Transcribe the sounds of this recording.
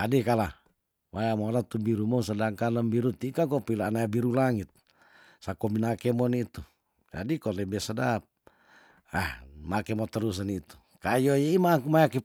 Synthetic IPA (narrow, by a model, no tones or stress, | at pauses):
adɛkala | wajamɔɾat̪ubiɾumɔsadaŋkaləmbiɾut̪ikakɔpilanajabiɾulaŋit̪̚ | sakɔminakemɔnit̪u | d͡ʒa̰dikɔlɛbɛsadap̚ | a̰hmakɛmɔt̪əɾus̬anit̪u̥ | kajojɛimakumajaki